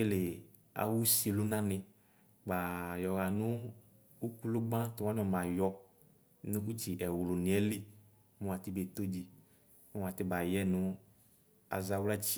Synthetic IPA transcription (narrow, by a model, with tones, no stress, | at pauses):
e˦le˨ | a̰˨wu˦si˨lu˦nã˦nɪ̃˨ | ɡ͡ba˨jɔ˨ɣa˨nʊ˦ | u˦ku˦lʊ˦ɡ͡bã˦twa˦n˦ɔ˨mã˨jɔ˦ | nɪ̃˦ku˦t͡ʃi˨ʔɛ˨wlʊ˨nɪ̃˨ɛ˦li˦ | mʊ˦wa˨t̪i˦be˨t̪o˦d͡ʒi˨ | mʊ˦wa˨tɪ˦ba˨jɛ˦nʊ˦ | a̰˨za˨wɛ˦t͡ʃi˦